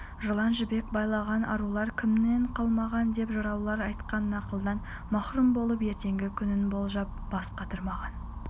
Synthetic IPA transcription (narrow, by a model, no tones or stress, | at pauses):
ʒolˠɑnʒɪbe̞k̚bɑjlˠɑʁɑnʔɑ̰ɾulˠɑɾkʲʰɪmne̞ɴqʰɑlˠmɑʁɑnd̪e̞pʒʊɾɑwlˠɑɾɑjt̪qɑnənɑqəlˠəd̪ɑn | mɑχɾumbo̞lˠəpe̞ɾt̪e̞ŋɡʲɪkʲʰʏnɪnbo̞lˠʒɑp̚b̥ɑsqɑt̪əɾmɑʁɑn